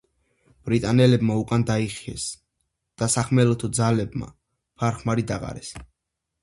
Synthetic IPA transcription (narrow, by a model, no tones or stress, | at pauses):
b̥ɾit̪ʼanɛlɛbmaukʼand̪aiχiɛ̰s | d̪̥asaχmɛlɔt̪ʰud̪zalɛbma̰ | pʰaɾχmaɾid̪aʁa̰ɾɛs